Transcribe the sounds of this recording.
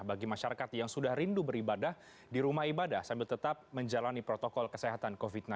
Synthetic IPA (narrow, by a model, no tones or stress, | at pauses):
baɡimaʃaɾakat̪jaŋsudahrindubəɾibadah | diɾumahibadahsambɪlt̪ət̪ap̚məɲd͡ʒalanipɾot̪ɔkɔlkəseɦat̪ankovit̪̚na